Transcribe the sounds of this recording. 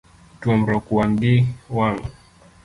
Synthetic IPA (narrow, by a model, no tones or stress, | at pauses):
tuɔm̩ɾɔkuwanɡiwaŋu